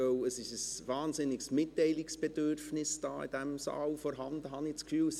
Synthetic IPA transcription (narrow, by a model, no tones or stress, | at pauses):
œʊəsɪʃəsvɑːnzɪnɪksmɪtːɛɪlɪksb̥ɛd̥øɾrfnɪsd̥ɑ̰ːḭd̥ɛmsɑ̰ːlfɔɾɦɑndəɦɑnɪt͡skfyːls